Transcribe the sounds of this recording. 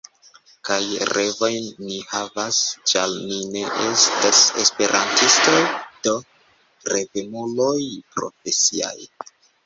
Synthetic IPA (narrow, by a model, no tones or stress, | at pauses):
kajɾe̞vo̞jnːihavast͡ʃalnine̞ʔestase̞spe̞ɾʔa̰ntistojd̥o̞ | ɾe̞vemulo̞jpɾo̞̰fe̞sia̰j